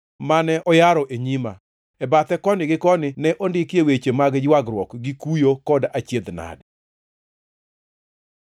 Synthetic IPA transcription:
manɛʔɔjaɾɔʔeɲima | ɛbat̪ɛkɔnɪɡɪkɔnɪnɛʔondɪkjewet͡ʃemaɡd͡ʒwaɡɾwɔkɡikujokɔdat͡ʃjed̪na̰d

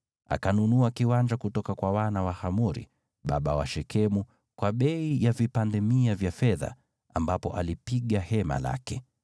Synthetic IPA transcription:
a̰kanunuakiwand͡ʒakutɔkakwawanawahamuɾḭ | ɓa̰ɓawa̰ʃɛkʰɛmu | kwaɓɛijavipandɛmiavjafɛða̰ | ambapɔ̰ʔalipiɠahɛma̰la̰kɛ

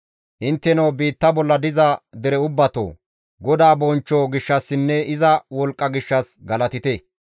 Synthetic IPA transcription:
ʔɪnt̪ːɛnɐwbiːt̪ːɐbɔlːɐd̪ɪzɐd̪ɛɾɛʊbːɐt̪o̰ː | ɡɔd̪aːbɔnt͡ʃːoːɡɪʃːɐsːɪnːɛɪzɐwɔlkʼːɐɡɪʃːɐsɡɐlɐt̪ɪt̪ɛ

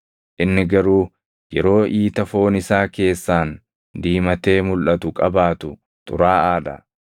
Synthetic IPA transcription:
ʔɪnːɪɡɐɾuː | jɛɾo̞ːʔiːt̪ɐfo̞ːnɪsaːke̞ːsːaːn | d̪iːmɐt̪e̞ːmʊlʔɐt̪ʊkʼɐbaːt̪ʊ | t̪ʼʊ̰ɾaːaːd̪ɐ̰

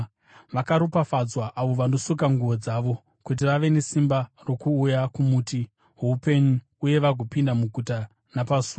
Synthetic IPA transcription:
ʋakaɾupafad͡zwaʔaʋo̞ʋano̞sukaŋɡuʋo̞d͡zaːʋo̞ | kut̬iʋaʋe̞ne̞simbaro̞kuːjakumuːti | ɦupenu | uje̞ʋaɡʱopindamuɡʱuta | napasuː

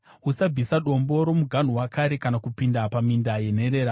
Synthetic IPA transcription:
ɦusab͡visaɗo̞mbo̞ɾo̞muɡʱan̤uwakaɾe̞kanakupindapamindaje̞ne̞ɾe̞ːɾa

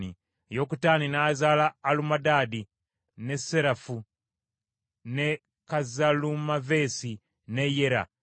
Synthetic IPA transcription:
nḭ | jokutaːninaːzalaːlumadaːdi | neseɾafu | ne | kazalumavesi | nejeɾa̰

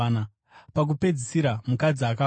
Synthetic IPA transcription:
na | pak̬upe̞d͡zisiɾamukad͡ziaka

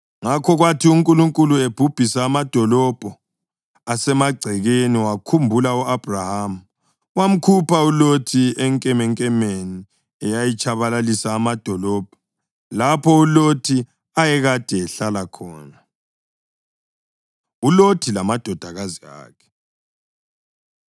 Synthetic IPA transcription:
ŋakʰɔɣwatʰiuŋkʼuluŋkʼulueb̥ʱub̥ʱisaːmad̥ʱɔlɔb̥ʱɔ | asɛmaɡ͡ǀʱɛɣeniwakʰumbʱulauab̥ʱrahamu | wam̩kʰupʰaulotʰiɛŋkʼɛmɛŋkʼɛmeni | ɛjajit͡ʃʰʼaβalalisaːmad̥ʱɔlɔːb̥ʱɔ | lapʰɔulotʰi | ajɛɣad̥ʱɛːɬalakʰɔ̰ːna | ulotʰilamad̥ʱɔd̥ʱaɣazia̰ːkʰɛ̥

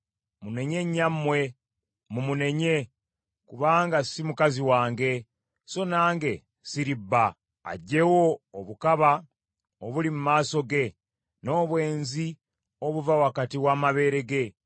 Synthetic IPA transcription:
mune̞ɲe̞ɲːamːwe̞ | mumune̞ɲe̞ | kuβaːŋɡasimukaziwaːŋɡe̞ | so̞naːŋɡe̞ | siɾibːa | a̰ɟːe̞wo̞ːβukaβa | oβulimumaːso̞ɡe̞ | no̞ːβwe̞ːnzi | o̞βuvawakatiwaːmaβe̞ːɾe̞ɡe̞

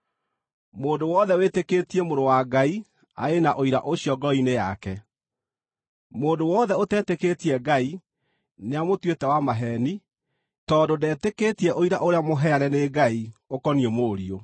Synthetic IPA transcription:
moːndowɔðɛweteketiemoɾowaɡai | a̰enaʔoiɾa̰ʔoɕiɔɡɔinejakɛ | moːdowɔðɛotɛːteketiɛɡai | neamotwetɛwamaɦɛni | tɔdodɛːteketiɛʔoiɾaʔoɾeamoɦɛaɾɛneɡaiokɔniɛmoɾio

